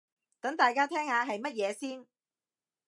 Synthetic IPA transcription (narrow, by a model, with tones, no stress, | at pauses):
t̪ɐ˨˥ŋt̪aː˨jkaː˥t̪ʰɛː˥ŋhaː˨˧ɦɐ˨jmɐ˥t̚jɛː˨˧siː˥n